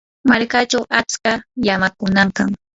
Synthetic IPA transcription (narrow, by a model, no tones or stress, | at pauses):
maɾkat͡ʃawat͡skajamakʊnaɴkaŋ